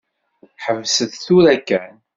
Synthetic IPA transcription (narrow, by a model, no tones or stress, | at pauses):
ħəvsəðθuɾækːæn